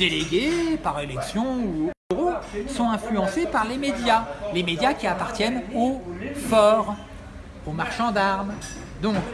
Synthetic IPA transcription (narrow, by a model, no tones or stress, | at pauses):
d̪eleɡʲepaʁelɛksjɔ̃uʁosɔ̃ɛ̃flyɑ̃sepaʁlemed̪jalemed̪jakʲiapaʁt̪jɛnofɔʁ | omaʁʃɑ̃d̪aʁm | d̪ɔ̃k